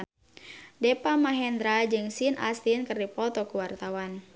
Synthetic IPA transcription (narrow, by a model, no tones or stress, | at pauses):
dɛpamaɦɛnd̪ɾad͡ʒɨŋsina̰st̪inkɨrdipɔt̪ɔkuwart̪awan